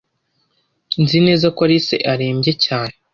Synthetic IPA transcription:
nzine̞ːzakoaɾise̞̰ʔaɾeːmɟecaːne

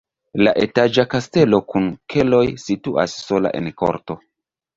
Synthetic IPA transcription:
laʔe̞tad͡ʒakaste̞lo̞kunkʰe̞lo̞jsitua̰sːo̞la̰ʔḛnko̰ɾto̞

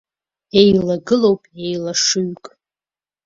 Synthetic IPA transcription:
ejlaɡɨlo̞wpʼejlaʂuɥkʼ

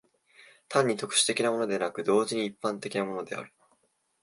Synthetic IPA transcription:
t̪ãɲ̟ːit̪o̞kɯ̟̥ɕi̥t̪e̞kʲinamo̞no̞d̪e̞nakɯ̟d̪o̞ːʑiɲ̟iːpːãnt̪e̞kʲinamo̞no̞d̪e̞̰a̰ɾɯ̟̥

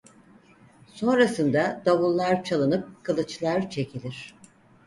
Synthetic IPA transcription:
so̞nɾasɯnd̪ad̪aβulˠːaɾt͡ʃʰalˠɯnɯp̚kʰalˠɯt͡ʃlˠaɾt͡ʃʰe̞cʰilʲiɾ̥

